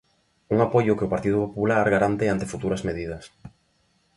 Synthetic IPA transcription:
uŋapojʊkeʊpaɾt̪ið̞ʊpopulaɾɣaɾant̪eant̪ɪfut̪uɾɐzmeðið̞ɐs

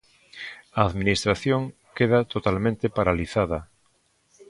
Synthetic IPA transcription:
aːðminist̪ɾaθjoŋ | keð̞at̪ot̪almẽnt̪epaɾaliθaða

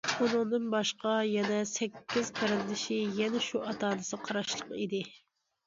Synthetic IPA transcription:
unɨŋd̪ɨnbɑʃqɑjɛnɛsɛkʲʰːɪzpʰɛɾɪnd̪ɪʃɪjɛnɛʃuʔɑt̪ʰɑːnɨsɨqʰɑɾɑʃlˠəqḭd̪ɪ

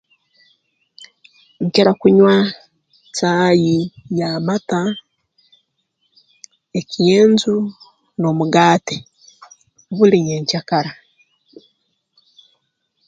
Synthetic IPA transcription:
ɲceɾakuɲwa | t͡saːjijamata | ecijeːnzu | nomuɡaːte | βuliɲeɲcakaɾa

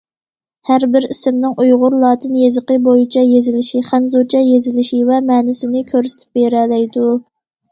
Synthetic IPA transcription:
hæɾbɪɾisɪmnɪŋʔujʁʊɾlˠɑːt̪ʰɨnjezɨqəbojit͡ʃʰɛjezɪlɪʃiχænzut͡ʃʰɛjezɪlɪʃivɛmɛːnɪsɪnɪkʲʰøɾsɪ̥t̪ʰɪ̥p̚beɾɛlɛjd̪u

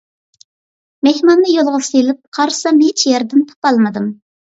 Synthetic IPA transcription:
mehmɑnːɨjolˠʁʊsilɪp̚qʰɑɾsɑmet͡ʃʰjɛɾd̪ɪnt̪ʰo̥pɑlˠmɨd̪ɨm

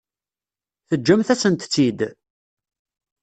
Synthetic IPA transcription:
θəd͡ʒːæmθæsənt̪t͡sːid̪

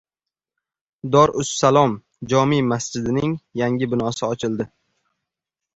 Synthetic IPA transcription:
d̪ɒɾʔʊsːalˠɒm | d͡ʒɒmimasd͡ʒɪd̪ɪnɪŋjaŋʲɪbɪnɒsɪɒt͡ʃʰɪlˠd̪ɪ

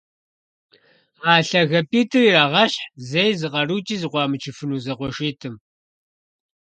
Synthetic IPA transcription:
aːɬɐɣɐpʼiːtʰɨriraːʁɐɕħzejzɨqɐruːt͡ʃʼiːzɨqʷɑːmɨt͡ʃʰɪfɨnuːzɐqʷɔʃiːtʰɨm

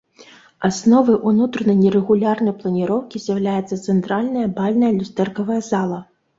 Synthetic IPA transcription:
asnɔvɨjʔunut̪ɾɐnɐjnʲɛɾɛɣulʲarnɐjplˠɐnʲiɾɔwkʲizʲjɐwlʲajɛt̪sːɐt̪sɛnt̪ɾalʲnɐjɐbalʲnɐjɐlʲust̪ɛrkɐvɐjɐzalˠɐ

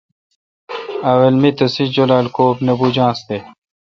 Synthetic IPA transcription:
aːwɐlmit̪ɐsid͡ʑolaːlkoːpnɐbud͡ʑãːsd̪e

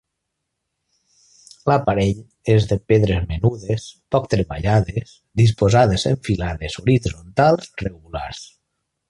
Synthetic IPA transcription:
lapaɾeʎ | ezðəpeðɾezmenuðespɔkt̪ɾeβaʎaðes | ðispozaðezeɱfilaðezoɾizont̪alˠzreɣula̰ɾs

